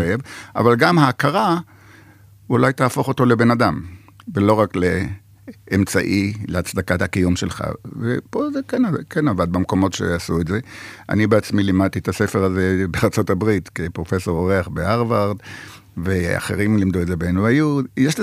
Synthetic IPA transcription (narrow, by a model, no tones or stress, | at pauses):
evʔa̰valɡamhaːkaʁa | ulajt̪aːfo̞χo̞to̞le̞be̞nadam | velo̞ʁakleː | mt͡sa̰ʔileat͡sd̪akathakijumʃelχa̰vepo̞zekenakenavad̪̚bemko̞motʃe̞̰asuetze̞ʔa̰nibeat͡smilimad̚t̪iet̪ase̞fe̞ʁaze̞beaʁt͡so̞tabʁitkepʁo̞fe̞so̞ʁoʁeaχbeaʁvaʁd̪ | vea̰χe̞̰ʁimlimd̪uezebeenuajujeʃle